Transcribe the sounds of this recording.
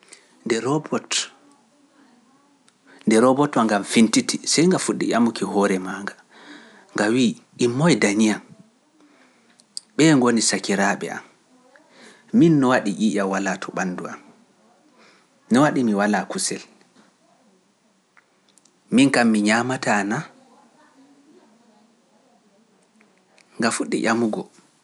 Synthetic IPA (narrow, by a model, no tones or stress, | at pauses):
ndɛɾɔbɔt | ndɛɾɔbɔtɔŋɡamfintitisajŋɡafuɗːḭʔamukihɔɾɛmaːŋɡa | ŋɡawiːʔimːɔjdanijan | ɓɛːŋɡonisakiɾaɓɛ̰a̰m | minːɔwaɗiʔiːʔawalatʰɔɓanːduan | nɔwaɗimiwalakusɛl | miŋkamːiɲaːmatana | ŋɡafuɗːḭʔamuɡɔ